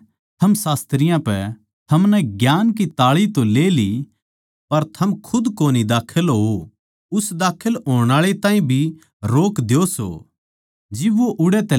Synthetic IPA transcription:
t̪ʰɐmsaːst̪ɾɪjãpɛ | t̪ʰɐmnɛɡjaːnkit̪aːɭit̪õleːli | pɐɾt̪ʰɐmkʰʊd̪koːnid̪aːkʰəlɦo | ʊsd̪aːkʰəlɦoːɽ̃aːɭet̪ãːĩbʱi | ɾoːkd̪eoso̰ː | d͡ʒɪbʋoʔʊɽɛt̪ɛ

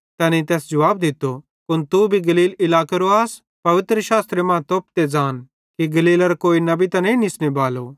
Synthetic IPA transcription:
t̪ɛːnĩt̪ɛːsd͡ʒɐʋaːbd̪ɪt̪ːo | kʊnt̪ubʱiɡɐliːlɪlaːkɐɾoaːs | pɐʋɪt̪ɾəʃaːst̪ɾemãːt̪oːp̚t̪ed͡zaːn | kiɡɐliːlɐɾkoːinɐbit̪ɐ̃nɐ̃ĩnɪsnebaːlo

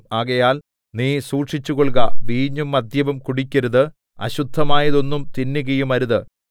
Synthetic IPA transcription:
aːɣɐjaːl | niːsuːʈʂit͡ɕːuɣoɭkɐʋiːɲːumːɐd̪ʱjɐʋɐmkuɽikʲːɐɾuðɨ | ɐ̰ɕud̪ʱːɐmaːjɐðo̞nːumt̪inːuɣɐjumɐɾuðɨ

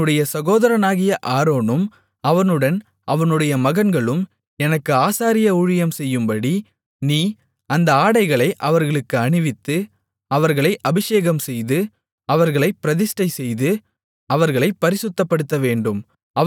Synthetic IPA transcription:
ɯɽɐjɐsɐɣoːðɐɾɐnaːɣɪjɐʔaːɾoːɳɯm | ɐʋɐnɯɽɐn | ʔɐʋɐnɯɽɐjɐmɐɣɐnɡɐɭɯm | ɛnɐkːɯaːsaːɾɪjɐuɻɪjɐmsɛjːɯmbɐɽi | niː | ɐnd̪ɐaːɽɐɪɣɐɭɐɪʔɐʋɐɾɣɐɭɯkːɯɐɳɪʋɪt̪ːɯ | ɐʋɐɾɣɐɭɐɪʔɐbɪʂeːɣɐmsɛjðɯ | ɐʋɐɾɣɐɭɐɪpːɪɾɐðɪsʈɐɪsɛjðɯ | ɐʋɐɾɣɐɭɐɪpːɐɾɪsɯt̪ːɐpːɐɽɯt̪ːɐʋeːɳɖɯm | ɐ

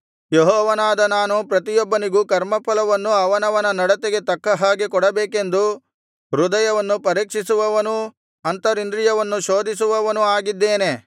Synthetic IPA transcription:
jeɦɔːʋɐnaːd̪ɐnaːnupɾɐt̪̬ijɔbːɐniɡukɐɾmɐpʰɐlɐʋɐnːuɐʋɐnɐʋɐnɐnɐɽɐt̪eɡe̞t̪ɐkːɐɦaːɡekɔɽɐbeːke̞nd̪u | ɾud̪ɐjɐʋɐnːupɐɾiːkʂisuʋɐʋɐnu | ɐnt̪ɐɾind̪ɾijɐʋɐnːuʃoːd̪is̬uʋɐʋɐnuaːɡid̪ːeːne

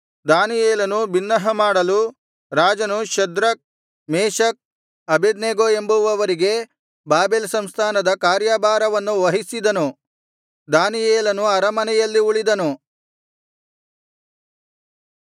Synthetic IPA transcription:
d̪aːnijeːlɐnubinːɐɦɐmaːɽɐlu | ɾaːd͡ʒɐnuʃɐd̪ɾɐk̚ | meːʃɐk̚ | ɐbed̪neːɡoembuʋɐʋɐɾiɡe̞ | baːbeːlsɐmst̪ʰaːnɐd̪ɐkaːɾjaːbaːɾɐʋɐnːuʋɐɦisid̪ɐnu | d̪aːnijeːlɐnuɐɾɐmɐnɛjɐlːiuɭid̪ɐnu

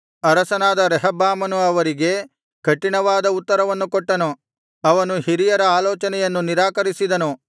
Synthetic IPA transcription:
ɐɾɐsɐnaːd̪ɐɾɛɦɐbːaːmɐnuɐʋɐɾiɡe̞ | kɐʈːiɳɐʋaːd̪ɐut̪ːɐɾɐʋɐnːukɔʈːɐnu | ɐʋɐnuhiɾijɐɾɐaːloːt͡ʃɐnɛjɐnːuniɾaːkɐɾisid̪ɐnu

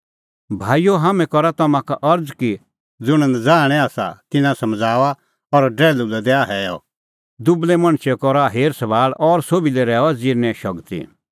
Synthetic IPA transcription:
bʱaːijoɦaːmɛ̃kɔɾat̪ɐmãkaʔɐɾd͡zki | d͡zʊɽ̃ə̃nd͡zaːɽ̃ɛaːsa̰t̪ɪnãsɐmd͡zaːʋa | ɔɾɖɛːlulɛd̪ɛaɦɛːjɔ̰ | d̪ʊblɛmɐ̃ɽ̃ʃɛkɔɾaɦeːɾsɐbaːɭɔɾsoːbilɛɾɛːɔd͡zɪɾnɛ̃ʃɔɡt̪ḭ

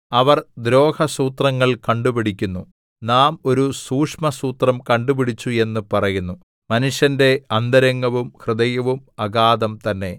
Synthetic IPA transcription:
ɐʋɐrd̪ɾo̞ːkʰɐsuːt̪rɐŋːɐɭkɐɳɖupiɽikʲːunːu | naːmo̞ɾusuːkʂmɐsuːt̪rɐmkɐɳɖupiɽit͡ɕːue̞nːɨpɐrɐjunːu | mɐnuʂjɐnde̞ɐnd̪ɐɾɐŋːɐʋumhrɨd̪ɐjɐʋumɐɡaːd̪ɐmt̪ɐnːe̞

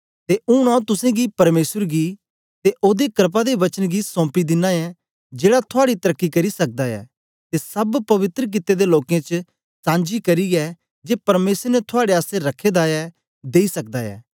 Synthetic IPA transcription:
t̪eʔʊɽ̃ãːũt̪ʊsẽɡipɐɾmeːsəɾɡi | t̪eʔoːd̪ekɾp̬ad̪eʋɐt͡ʃənɡisɔ̃ːpid̪ɪnãɛ | d͡ʒeːɽat̪ʰʊaːɽit̪ɐɾəkːikɐɾisɐk̚d̪aɛ̰ː | t̪esɐbpɐʋɪt̪ɾək̬ɪt̪ːed̪eloːkẽt͡ʃ | sãːnd͡ʒikɐɾiɛ | d͡ʒeːpɐɾmeːsɾnɛt̪ʰʊaːɽeaːseɾɐkʰːeːd̪aɛ | d̪eːisɐk̚d̪aɛ̰ː

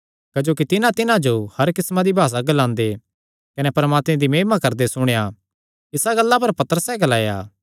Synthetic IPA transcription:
kɐd͡ʒoːk̬it̪ɪnãt̪ɪnãd͡ʒohɐɾkɪsmãd̪ibʱaːs̬aɡɐlãːnd̪e | kɐnɛpɐɾmaːt̪mẽd̪imeːmakɐɾd̪esʊɽ̃ja | ɪsaɡɐlːap̬ɐɾpɐt̪əɾəsɛɡɐlaːja̰ː

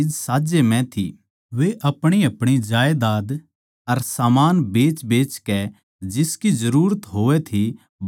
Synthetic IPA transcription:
ɪd͡ʒsaːd͡ʒemɛ̃t̪ʰḭ | ʋeʔɐpɽ̃iɐpɽ̃id͡ʒaːjd̪aːd̪ | ɐɾsaːmaːnbeːt͡ʃbeːt͡ʃkɛ | d͡ʒɪskizɐɾuːɾət̪ɦoːʋɛt̪ʰi | b

